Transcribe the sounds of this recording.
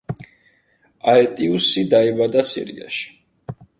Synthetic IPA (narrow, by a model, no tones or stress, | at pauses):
aɛt̪ʼiusid̪aɛbad̪asḭɾḭa̰ʃi̥